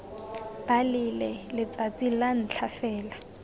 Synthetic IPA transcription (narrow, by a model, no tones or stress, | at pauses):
b̥alɪlɛlɪt͡sʼat͡sʼilan̩t͡ɬʰafɛːla